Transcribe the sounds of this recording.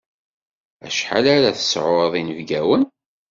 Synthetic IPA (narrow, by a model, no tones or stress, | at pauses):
æ̰ʃħa̰laɾaθə̥sʕʊɾðˤinəvɡæwən